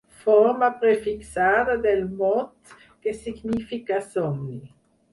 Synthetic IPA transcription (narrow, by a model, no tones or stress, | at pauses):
fɔʁmapʁefiksaːd̪ad̪ɛlmɔt̪ | kesiɡnifikasɔmli